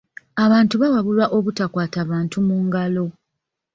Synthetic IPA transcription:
aβaːntuβawaβulwaʔo̞βutakwaːtaːβaːntumuːŋɡalo̞

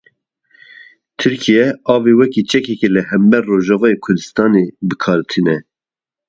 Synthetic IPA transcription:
t̪ʰɨɾkʰijɛɑːvewɛkit͡ʃɛkɛkelɨhɛmbɛrːoːʒɑːvɑːjekʰʊɾd̪ɨst̪ɑːnebɨkʰɑːɾt̪ʰɨnɛ

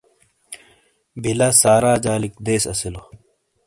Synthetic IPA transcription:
bʱilɐsaːɾaːd͡ʑaːlikd̪eːsɐ̰silo

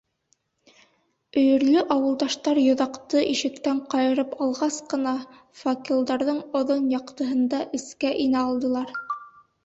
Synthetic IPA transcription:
ɵ̆jɵ̆ɾlɵʔɑwɤ̆lˠd̪ɑʃt̪ɑɾjŏðɑqt̪ɤʔiʃɘ̆kt̪æɴqɑjɤ̆ɾɤpɑlˠʁɑsqɤ̆nɑ | fokʲilˠd̪ɑɾðɤɴŏðonjɑqt̪ɤ̆ɦɤ̆nd̪ɑʔɘ̆skæʔinæɑlˠd̪ɤ̆lˠɑɾ

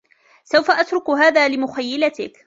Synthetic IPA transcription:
sawfaʔat̪ɾʊkɦaːðaːlɪmʊxajːɪlat̪ɪk

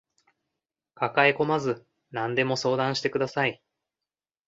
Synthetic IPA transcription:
kakaeko̞mazɨ | nãnd̪e̞mo̞so̞ːd̪ãɰ̃ɕi̥t̪e̞kɯ̟d̪asai

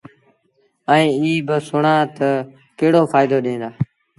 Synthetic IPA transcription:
əĩːiːbɪsʊɳãːt̪ə | keːɽoːfʰaːɪd̪oːɗẽːnd̪aː

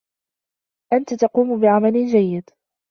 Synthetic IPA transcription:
ʔant̪at̪ɑquːmʊbɪʕamalɪnd͡ʒajːɪd̪

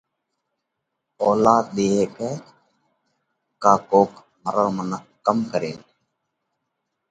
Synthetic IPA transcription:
oːlaːt̪̚ɗ̪eːɦeːkeː | kaːkoːk | məɾəɾmənəkəmkəɾeːl

